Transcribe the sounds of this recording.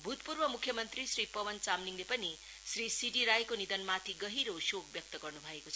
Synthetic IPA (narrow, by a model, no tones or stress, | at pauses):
bʱut̪purbʌmukʰːjʌmʌnt̪risripʌwʌnt͡samniŋlepʌni | srisiɖiɾajkonid̪ʌnmat̪ʰiɡʌɦiɾosok̚bjʌk̚t̪ʌɡʌrnubʱʌekot͡sʰʌ